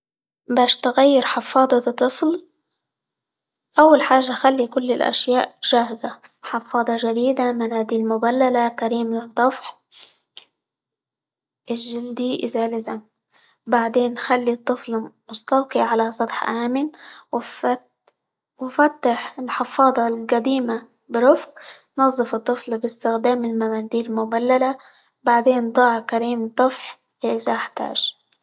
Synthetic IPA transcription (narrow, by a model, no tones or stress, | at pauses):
baːʃt̪ɪɣajːɪɾħɪfːɑːd̪ˤɑt̪ˤːɨfl | ʔawːalħaːʒːaxalːikʊlːɪlʔa̰ʃjaːʔʒ̥aːhɪza | ħɑfːɑːd̪ˤɑʒad̪iːd̪amɪnhaːd̪ilmʊbalːalakaɾiːmlɨd̪ˤɑfħ | ʔɪʒɪld̪iʔɪzaːlɪzam | baʕd̪eːnxalːit̪ˤːɨflmʊst̪ˤɑqiʕalasˤɑt̪ħʔaːmɪnw | wɪfat̪ːaħɪlħɪfɑːðˤɑlɡad̪iːma | bɪɾʊfq | nɑzˤːɨfɨt̪ˤːɨflbɪst̪ɪxd̪aːmɪlmamaːd̪iːɾlmʊbalːala | baʕd̪eːnd̪ˤɑːʕkaɾiːmd̪ˤːɑfħ | ʔɪzaʔaħt̪a̰ːʒ̥